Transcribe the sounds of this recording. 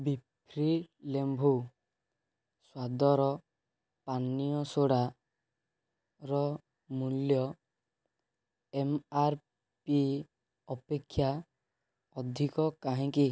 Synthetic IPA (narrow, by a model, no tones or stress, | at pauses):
bipʰɾilembʱu | swad̪ɔɾɔ | panijɔsoɽa | ɾɔ | muljɔ | emaɾ | pi | ɔpekʰːja | ɔd̪ʱikɔkaɦĩki